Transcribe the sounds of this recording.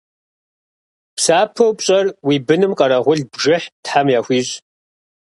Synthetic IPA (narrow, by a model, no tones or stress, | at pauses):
psaːpʰɐwpɕʼɐrwibɨnɨmqʼɐɾɐʁʷʊɮbʐɨħtħamjaːxʷiːɕʼ